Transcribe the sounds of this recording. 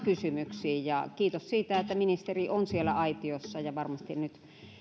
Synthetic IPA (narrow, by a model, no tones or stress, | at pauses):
kysymyksiːjɑkiːt̪ossiːt̪æet̪ːæminist̪erionsielːˑæ̰ɑit̪iosːɑjɑʋɑrmɑst̪innyt̪